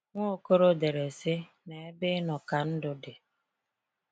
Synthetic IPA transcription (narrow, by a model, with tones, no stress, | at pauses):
ŋʷo˦˨ko˦ɾo˦de˨ɾe˨sɪ˦ | ne˨e˦bɪ˦nɔ˨ka˨n̩˦dʊ˦de˨